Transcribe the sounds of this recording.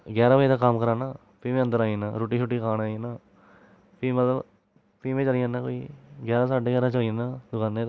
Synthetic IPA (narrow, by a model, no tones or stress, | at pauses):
ɡɛːɾaːʋəiːd̪aːkəmkəɾaːnaː | piːmẽːə̃nd̪əɾaːina̰ːɾoːʈiːʃʊʈːiːkaːnaːinaː | piːmət̪ləb | piːmẽːt͡ʃəliãːnãːkoːiːɡɛːɾaːsaːɖeːɡɛːɾaːt͡ʃəliənaːd̪ʊkãːnːẽː